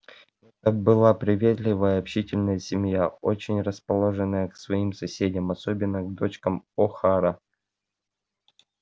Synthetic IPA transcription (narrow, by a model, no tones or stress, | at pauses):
ɛt̪əbɨlˠapɾʲɪvʲet̪lʲɪvəjəɐpɕitʲɪlʲnəjəsʲɪmjao̰t͡ɕɪnʲrəspɐlˠo̞ʐɨnːəjəksvɐimsɐsʲedʲɪmɐsobʲɪnːəɡd̪ot͡ɕkəmoxaɾə